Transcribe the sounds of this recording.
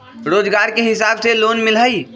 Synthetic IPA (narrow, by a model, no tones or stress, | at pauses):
ɾoːd͡ʒɡaːɾkeɦɪsaːbseloːnmɪlɦəi